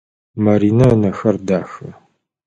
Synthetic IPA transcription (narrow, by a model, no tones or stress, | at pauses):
mɐɾiːnɐnɐxɐrdaːxɐ